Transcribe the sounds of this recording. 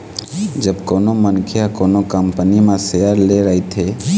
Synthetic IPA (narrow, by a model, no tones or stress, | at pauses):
d͡ʒəbkoːnomənkʰjakoːnokəmpənimãsejaɾleɾəɦit̪ʰe